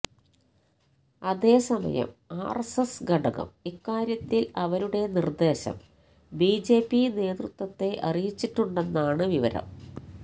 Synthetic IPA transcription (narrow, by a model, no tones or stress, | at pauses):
ɐðe̞ːsɐmɐ̰jɐ̰ma̰ːrsɐsɡɐɽɐɣɐ̰mikːaːɾjɐt̪ːilɐʋɐɾuɽe̞nird̪e̞ːɕɐ̰m | biːd͡ʑe̞ːpːine̞ːt̪rut̪wɐt̪ːe̞ʔɐrijit͡ɕːiʈːuɳɖe̞nːaːɳɨʋiʋɐ̰ɾɐ̰m